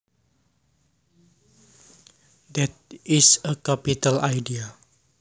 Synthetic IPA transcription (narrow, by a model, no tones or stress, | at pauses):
d̪ɛt̪̚isəkapitalajdia